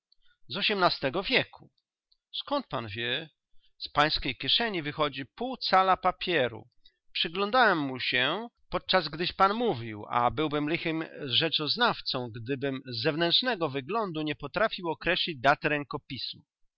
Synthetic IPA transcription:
zɔɕɛmnast̪ɛɡɔvʲjɛkʰu | skɔnt̪̚pa̰nvʲjɛ | spaj̃skʲejkʲjɛʂɛɲivɘxɔd͡ʑipuwt̪salapapʲjɛɾṵ | pʂɘɡlɔnd̪awɛmːuɕɛpɔt̪̚t͡ʂazɡd̪ɘɕpanmuvʲiwa̰bɘwbɘmlɘxɘmʐɛt͡ʂɔznaft̪sɔ̃w̃ɡd̪ɘbɘmzːɛvnɛntʂnɛɡɔvɘɡlɔnd̪uɲɛpɔt̪ɾafʲiwɔkɾɛɕlʲid͡ʑd̪at̪ɾɛŋkɔpʲismu

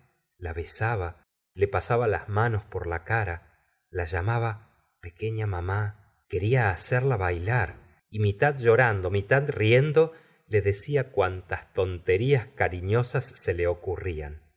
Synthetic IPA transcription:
laβe̞saβa | le̞pasaβala̰zmano̞spo̞ɾlakaɾa | laʒamaβa | pe̞ke̞ɲamama | ke̞ɾiaːseɾlaβajlaɾ | imit̪ad̪ʒo̞ɾand̪o̞mit̪ad̪rjend̪o̞ | le̞ðe̞siakwant̪ast̪o̞nt̪e̞ɾiaskaɾiɲo̞sasːe̞leo̞kuria̰n

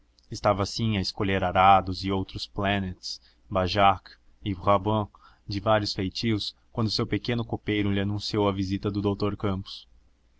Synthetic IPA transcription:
ɪst̪avɐsĩɐɪskoʎeɾaɾad̪ʊzɪowt̪ɾʊsplanet͡ʃs | baʒak | ɪʁabɐ̃ | d͡ʒɪvaɾjʊsfejt͡ʃiskwɐ̃nd̪ʊsewpekẽnʊkopejɾʊlɪanũsiowɐvizit̪ɐd̪ʊd̪owt̪oɾkɐ̃pʊ̥s

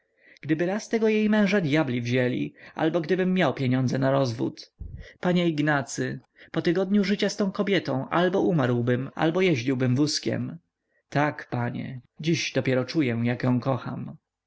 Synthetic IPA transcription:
ɡ̥d̪ɘbɘɾast̪ɛɡɔjejmɛ̃w̃ʐad̪jablʲivʑɛlʲḭʔa̰lbɔɡd̪ɘbɘmːjawpʲjeɲɔ̃nd̪zɛnaɾɔzvṵt̪paɲɛiɡnat̪sɘ | pɔt̪ɘɡɔd̪ɲuʐɘt͡ɕast̪ɔ̃w̃kɔbʲjɛt̪ɔ̃w̃ʔa̰lbɔʔumaɾwbɘma̰lbɔjɛʑd͡ʑiwbɘmvuskʲɛ̰m | t̪akpaɲɛ̰d͡ʑiʑd̪ɔpʲjɛɾɔt͡ʂujɛjakjɔ̃w̃kɔxa̰m

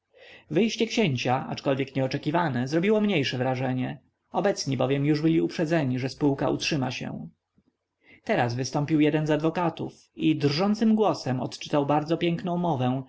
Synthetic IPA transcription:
vɘjɕt͡ɕɛkɕeɲt͡ɕaʔa̰t͡ʂkɔlvʲjɛkɲɛɔt͡ʂɛkʲivanɛzɾɔbʲiwɔmɲejʂɛvɾaʐɛɲɛ | ɔbɛt̪sɲibɔvʲjɛmjuʐbɘlʲiupʂɛd̪zɛɲiʐɛspuwka̰ṵtʂɘmaɕɛ̰̃ | t̪ɛɾazvɘst̪ɔmpʲiwjɛd̪ɛnzad̪vɔkat̪uf | id̪rʐɔnt̪sɘmɡwɔsɛmɔ̰t̪t͡ʂɘ̥t̪awbaɾd̪zɔpʲjɛŋknɔ̃w̃mɔvɛ̃w̃

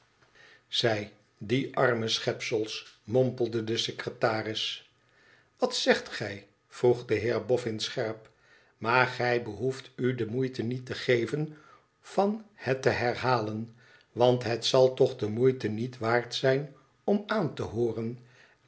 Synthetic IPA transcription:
z̥ɛj | diʔɑɹməsχɛpsəlˠsmɔmpəlˠdədəsekrətaːrɪs | ʋɑtsɛχtχɛj | v̥ruχdəɦɪːɹbɔfɪnsχɛɹp | maːɹχɛjbəɦuftydəmujtənitəχejvən | v̥ɑnhɛtːəɦɛɹɦaːlən | ʋɑntɦətsɑlˠtɔχdəmujtənitʋaːɹtsɛjn | ɔmaːntəɦoːrən

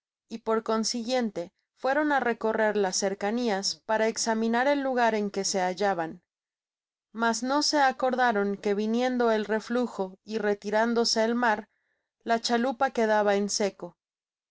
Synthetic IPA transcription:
ipo̞ɾko̞nsiɣje̞nt̪e̞ | fwe̞ɾo̞nare̞ko̞re̞ɾlasːe̞ɾkaniaspaɾaeksamĩnaɾe̞lːuɣ̞aɾe̞ŋke̞se̞aʝaβan | mazno̞se̞ako̞ɾðaɾo̞ŋke̞βinje̞nd̪o̞e̞lre̞fluxo̞ire̞t̪iɾand̪o̞se̞ːlmaɾ | lat͡ʃalupake̞ðaβaense̞ko̞

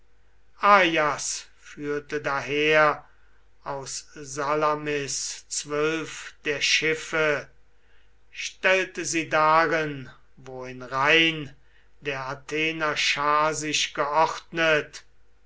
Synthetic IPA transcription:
ʔaːjas | fyːɐtədaɦeːɐ | aʊszalamɪst͡sv̥œlfd̥eːɐʃɪfə | ʃtɛltəziːdaʁɪn | voːɪnʁaɪn | deːɐatʰeːnɐʃaːzɪʃɡ̥əʔɔχtnət

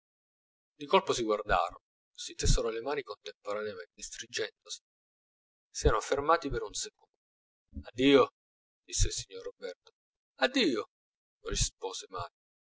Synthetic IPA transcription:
d̪ikolposiɡward̪a̰ːɾo̰n | sit̪esːeɾolemaːnikont̪empoɾaneament̪est̪ɾid͡ʒɛnd̪osi̥ | sɛːɾanofermaːt̪ipeɾunsekond̪d̪o | ad̪ːiːo | d̪isːeilsiɲːorːobɛrt̪o̥ | ad̪ːiːo | rispoːzemaːjo

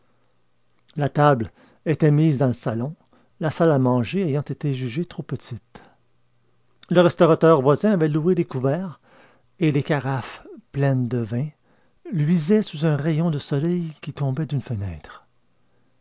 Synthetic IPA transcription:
lat̪abl | et̪ɛmizd̪ɑ̃ləsalɔ̃ | lasalamɑ̃ʒeejɑ̃t̪et̪eʒyʒet̪ʁopət̪it̪ | ləʁɛst̪ɔʁat̪œʁvwazɛ̃avɛlued̪ekuvɛːʁ | elekaʁafplɛnd̪əvɛ̃ | lɥizɛsuzœ̃ʁɛjɔ̃d̪əsɔlɛjkʲit̪ɔ̃bɛd̪ynfənɛ̰ːt̪χ

